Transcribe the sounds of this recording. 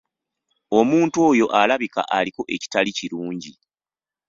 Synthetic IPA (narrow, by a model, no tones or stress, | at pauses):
o̞muːntuwo̞ːjo̞ʔalaβika̰ʔaliko̞ʔe̞ci̥taliciɾuːɲɟi